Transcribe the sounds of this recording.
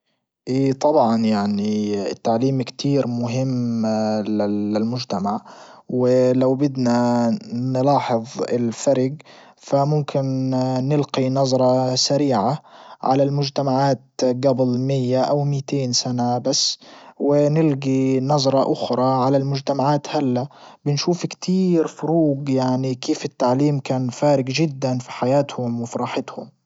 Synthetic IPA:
ʔiːt̪ˤɑbʕɑnjaʕniɪ̰t̪ːaʕliːmkt̪ʰiːɾmʊɦɪmːlɪɪlmʊd͡ʒt̪amaʕ | wɪlawbɪd̪nanɪlɑːħɨðˤɪ̰lfaɾɡ | famʊmkʰɪnnɪlqinɑzˤɾˤɑsaɾiːʕaʕa̰lalmʊd͡ʒt̪amaʕaːt̪ɡablmɪjːaʔawmɪt̪eːnsanabasːwɪnɪlɡinɑzˤɾˤɑʔʊxɾˤɑʕalalmʊd͡ʒt̪amaʕaːt̪halːabɪnʃuːfkt̪ʰiːɾfʊɾuːɡjaʕnikʰeːfɪt̪ːaʕliːmkaːnfaːɾɪɡʒɪd̪ːanfi̥ħajaːt̪hʊmwɪfiɾˤɑːħɪt̪hʊm

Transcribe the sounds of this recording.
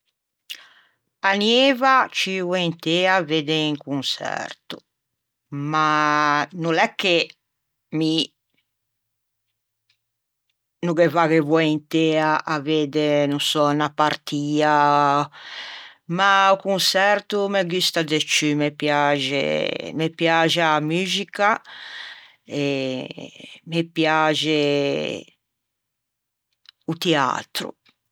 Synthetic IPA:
anjeːvat͡ʃivwɔint̪eːaved̪eiŋkunsɛ̰rt̪u̥ | manulɛkːe | mi | nuɡevaɣevwɔint̪eːaʔaveːd̪enunsɔnapaɾt̪ʰiːa | maukunsɛɾt̪umɛɡyst̪ad̪et͡ʃːymepjad͡ʒḛmepjaːd͡ʒamyːzika | ɛ | mepjaːd͡ʒe | ut̪ɛa̰t̪ɾṵ

